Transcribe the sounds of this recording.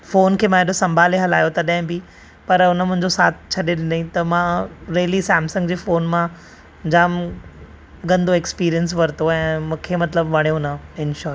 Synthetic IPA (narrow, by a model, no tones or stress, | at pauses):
foːnkʰeːmãeɗosɐ̃mbʱaːleɦɐlaːjot̪ɐɗ̃ɦɪ̃bɪ | pɐɾʊnəmʊ̃ɦɪ̃ɲd͡ʑosaːt̪ʰt͡ɕʰɐɗeɗɪnd̪aĩt̪ɐmãɾeːlisɛːmsə̃ŋɡd͡ʑeːfoːnmã | d͡ʑaːm | ɡɐ̃nd̪oekspiːɾijəns̬ʋɐɾɪt̪oɛ̃ːmũːkʰemɐt̪ləbʋɐɽ̃jõnɐɪnʃɔːɾ